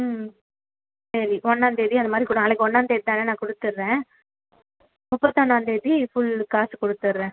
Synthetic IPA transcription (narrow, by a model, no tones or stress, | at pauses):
m | sɐɾiʔɔnːaːnd̪eːðiɐnd̪ɐmaːd̪ɾikʊɽnaːlɐɪkːɯɔnːaːnd̪eðit̪aːnɐnãːkɔɽɯt̪ːɯɾːẽː | mʊpːɐt̪ːɔnːaːnd̪eðifʊɭkaːskɔɽɯt̪ːɯɾːẽː